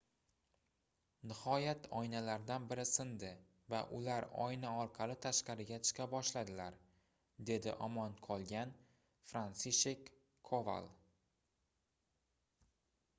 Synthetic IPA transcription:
nɪhɒjat̪ʰɒjnalaɾd̪anbɪɾɪsɪnd̪ɪ | va̰ʔʊ̰laɾɒ̰jnaɒɾqʰɑlˠɪt̪ʰaʃqɑɾɪɡʲat͡ʃʰɨ̥qʰɑbɒʃlad̪ɪlaɾ | d̪e̞d̪ɪ̰ʔɒmɒnqʰɒlˠɡʲan | fɾansiʃekʰː | ova̰lˠ

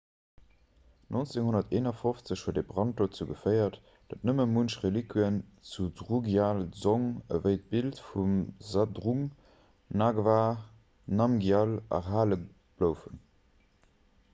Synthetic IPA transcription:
nʔont͡seŋhonɐteːnɐfoft͡səɕhuəɐdeːbʁɑnt̚d̥oːt͡səɡəfɜɪɐt | d̥ɑtnəməmunʃʁelikwiənt͡sudʁuɡjaːlzoŋəvəɪt̚b̥iltfumzadʁuŋ | naːɡvaː | nɑmɡjalɑ̰ɦaːlə | b̥ləʊfən

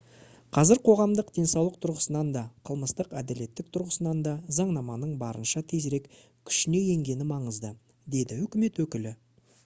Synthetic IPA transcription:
qʰɑzɪɾqʰo̞ʁɑmd̪əqd̪̥e̞nsɑwlˠəqt̪ʰʊɾʁəsənɑnd̪ɑqʰəlˠməst̪əqæd̪æle̞t̪ːɪk̚t̪ʰʊɾʁəsənɑnd̪ɑzɑɴnɑmɑnəɴbɑɾənʃɑt̪ʰe̞zɾe̞k | kʲʰʏ̥ʃɪne̞je̞ŋɡʲe̞nɪmɑɴəzd̪ə | d̪e̞d̪ɪɵkʲɪme̞t̪wɵkʲɪlɪ

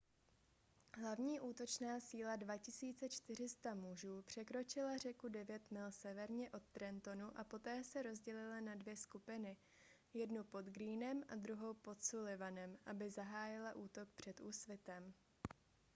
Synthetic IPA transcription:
ɦlavɲiːʔuːt̪o̞t͡ʃnaːsiːladvacɪsiːt͡sɛt͡ʃt̪ɪr̝ɪst̪amuʒuːpr̝̥ɛkɾo̞t͡ʃɪlar̝ɛkudɛvjɛt̪mɪlsɛvɛɾɲɛʔo̞t̪ːɾɛnt̪o̞nuʔapo̞t̪ɛːsɛɾo̞zɟɛlɪlanadvjɛskupɪnɪ | jɛdnupo̞d̪ɡɾiːnɛmʔad̪ɾuɦo̞wpo̞t̪sulɪvanɛmʔabɪzaɦaːjɪlaʔuːt̪o̞k̚pr̝̥ɛt̪ʔuːsvɪt̪ɛm

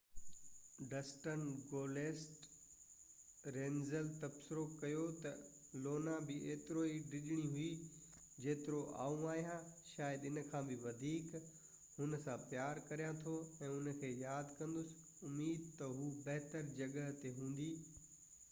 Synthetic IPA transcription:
ɖɐsʈənɡoːleːsʈ | ɾẽːnzəlt̪ɐbsɪɾokɐjot̪ɐ | loːnabɪeːt̪ɪɾoiɖɪʄɪɽ̃iɦui | d͡ʑeːt̪ɪɾoʔa̰ːũaːɦijãʃaːjəd̪ɪnəkʰãːbɪʋɐd̪ʱiːk | hʊnə̆sãpjaːɾkɐɾijãt̪ʰoɛ̃ːʊnəkʰeːjaːd̪kɐ̃nd̪ʊsɪ̥ | ʊmiːd̪̚t̪ɐɦuːbɐɦt̪əɾd͡ʑɐɠəɦt̪eɦũːn̆d̪iː

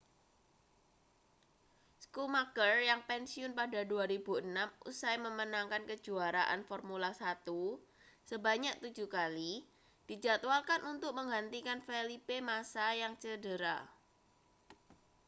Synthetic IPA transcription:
skumakərjaŋpɛnsiʊnpadaduaɾib̥uənamʔṵsajməmənaŋkankə̥d͡ʒ̥uaɾaʔa̰nfɔrmulasat̪u | səbaɲak̚t̪u̥d͡ʒṳkali | d̥i̤d͡ʒa̤t̪ualkanʔunt̪ʊk̚məŋɡant̪ikanfelipemasajaŋt͡ʃədəɾa

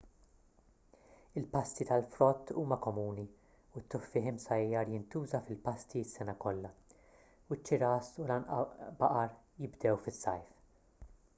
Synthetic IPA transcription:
ɪlpɐst̪it̪ɐlfɾɔt̪ːuːmɐkɔmuːni | ut̪ːʊħfɪħɪmsɐjɐɾjɪnt̪uːzɐfɪlpɐst̪iɪsːɛnɐkɔlːɐ | uɪt͡ʃːɪɾɐsulɐnʔɐ̰bɐʔɐɾ | jɪbd̪ɛwfɪsːɐ̰jf

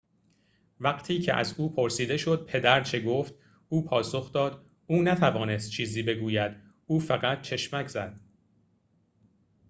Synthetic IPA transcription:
væɢt̪ʰiːcʰeʔæ̰zuːpʰo̞ɾsiːd̪e̞ʃo̞d̪̥̚pʰe̞d̪æɾt͡ʃʰe̞ɡoːft̪ | uːpʰɒːso̞xd̪ɒːd̪ | uːnæt̪ʰævɒːne̞st̪̚t͡ʃʰiːziːbe̞ɡuːjæd̪ | uːfæɣæt̪̚t͡ʃʰe̞ʃmæcʰz̥æd̪̥

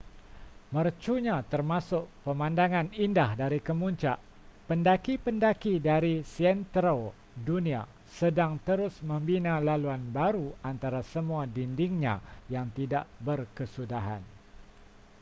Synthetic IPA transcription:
mərt͡ʃuɲãt̪ərmasʊʔpəmãndaŋãnindahdaɾikəmuɲt͡ʃaʔ | pəndakipəndakidaɾisiɛnt̪ɾo | dunĩa̰ | sədaŋt̪əɾʊsmə̃mbinãlaluanbaɾuant̪aɾasəmũadindiŋɲã̰jaŋt̪idaʔbərkəsudaɦa̰n

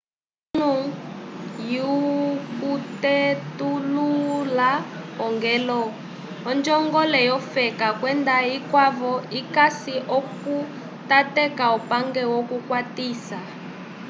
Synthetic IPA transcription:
unu | jukutetululaɔŋɡɛlɔ | ɔnd͡ʒɔŋɡɔlɛjɔfɛkakwɛndaikwavɔikasiʔɔku | tatɛkaupaŋɡɛwɔkukwatiːsa

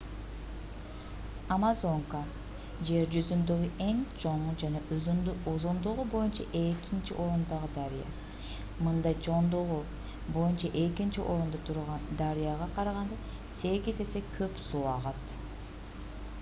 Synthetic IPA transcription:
amazo̞ŋka | d͡ʒe̞ɾd͡ʒyzynd̪øɡyʔe̞ŋt͡ʃʰo̞ɴd͡ʒɑnɑozond̪oʁubo̞junt͡ʃɑ̰ʔe̞kint͡ʃḭʔo̞ɾund̪ɑʁɯd̪aɾijɑ̰ | mɯnd̪ɑjt͡ʃʰo̞ɴd̪uʁu | bo̞junt͡ʃɑʔe̞kint͡ʃiʔo̞ɾund̪ɑt̪ʰuɾʁɑnd̪aɾijɑʁɑqʰɑɾɑʁɑnd̪ɑ | se̞ɡize̞se̞kʰøpsuːɑʁɑt̪

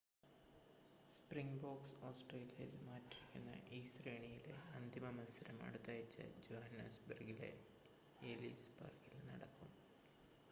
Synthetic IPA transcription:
spriŋboːɡsoːsʈreːlijɐjilmaːtːiɾikʲːunːɐ̰ʔiːsreːɳijile̞̰ɐnd̪ʱimɐmɐnsɐɾɐmɐ̰ɽut̪ːaːjit͡ɕːɐ̰d͡ʑoːhɐnɐsbɐrɡile̞̰ | elḭsbɐ̰rɡilnɐɽɐkːum

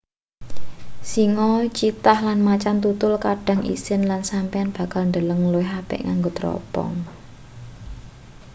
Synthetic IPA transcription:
siŋɔt͡ʃit̪ahlanmat͡ʃant̪ut̪ʊlkaɖ̥ä̤ŋʔḭsɪnlansampeanb̥a̤kalnd̪ələŋloɪɦapɪ̰ʔŋaŋɡot̪ɾɔ̰pɔ̰ŋ

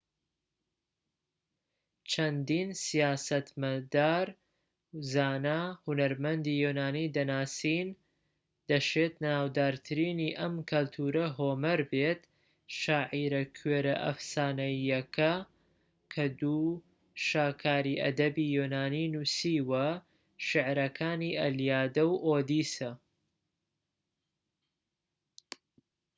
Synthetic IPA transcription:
t͡ʃʰɐnd̪iːnsijaːsɐt̪mɐd̪aːɾ | zaːnahunɐɾmɐnd̪ijonaːniːd̪ɐnaːsiːn | d̪̥ɐʃet̪naːwd̪aːɾt̪ʰɨɾiːniːʔɐmkʰɐlt̪ʰuːɾɐɦoːmɐɾbet̪ | ʃaːʕiːɾɐkʰɥeːɾɐʔɐ̰fsaːnɐjɐkʰɐ | kʰɐd̪u | ʃaːkʰaːɾiːʔɐ̰d̪ɐbiːjonaːninusiːwɐ | ʃɪʕɾɐkʰaːniːʔɐljaːd̪ɐwʔoːd̪iːsɐ

